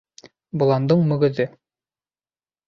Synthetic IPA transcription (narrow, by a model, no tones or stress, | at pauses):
bŏlˠɑnd̪ɤɴmɵ̆ɡɘ̆ðɘ